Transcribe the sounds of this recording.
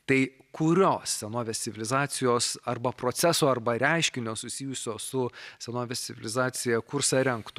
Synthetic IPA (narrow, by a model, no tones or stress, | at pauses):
t̪ɐɪ | kʰʊɾʲoːssʲɛnoːʋʲɛst̪ʲɪʋʲɪlʲɪzɑːt̪sʲɪjoːsɐrbɐpɾoːt̪sʲæsoːɐrbɐɾʲɛˑɪʃʲkʲɪnʲoːsʊsʲiːjʊsʲoːsʊsʲɛnoːʋʲɛst̪t͡s̪ʲsʲɪʋʲɪ̰lʲɪzɑːt̪sʲɪjɛkʊɾsɐɾʲɛŋkt̪ʊ